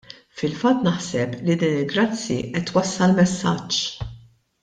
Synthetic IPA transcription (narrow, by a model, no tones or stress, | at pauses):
fɪlfɐt̪ːnɐħsɛplid̪iːnɪlɡɾɐt͡sːjḭʔɛt̪ːwɐsːɐlmɛsːɐt͡ʃː